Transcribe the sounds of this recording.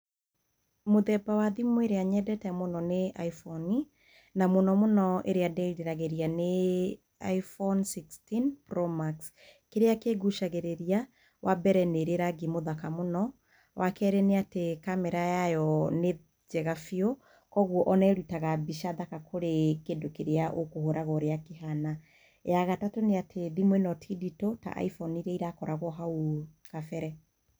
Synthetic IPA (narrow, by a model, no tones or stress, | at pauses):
moðɛbawaðimoeɾeaɲɛdɛtɛmonɔneaifɔni | namonɔmonɔʔeɾeadeɾiɾaɣeɾiane | a̰ifɔnsikstinpɾɔmaks | keɾeakeɡuʃaɣeɾeɾia | wʔabɛɾɛneɾeɾaɡimoðakamonɔ | wʔakɛːɾeneatekamɛɾajajɔne | d͡ʒɛɣafio | kɔɣwɔʔɔnɛɾutaɣabiʃaðakakʰoɾekendokeɾeaʔokohoɾaɣɔɾeakeɦana | jaɣatatoneatʰeðimwenɔtʰiditota̰ʔa̰ifɔniɾɛiɾakɔɾaɣɔɦaukafɛɾɛ